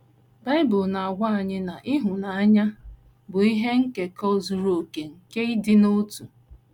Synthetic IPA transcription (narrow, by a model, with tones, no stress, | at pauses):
ba˦ɪ˦bʊ˨lna˨a˨ɡʷa˦a˨ɲɪ˦na˨ʔɪ˦ɦʊ˨na˨a˦ɲa˦ | bʊ˨i˦ɦe˦ŋ̩˦ke˨kɔ˦zu˨ɾo˨o˨ke˨ŋ̩˨ke˦i˦dɪ˦no˦tu˨